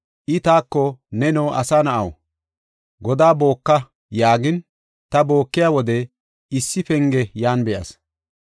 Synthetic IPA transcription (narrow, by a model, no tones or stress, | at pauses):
ʔɪt̪aːkːɔnɛnɔːʔɐsaːnɐʔɐw | ɡɔd̪aːbo̞ːkːɐ | jaːɡɪn | t̪ɐbo̞ːkːɪjaːwɔd̪ɛ | ɪsːɪpɛŋɡɛjaːnbɛjɐ̰s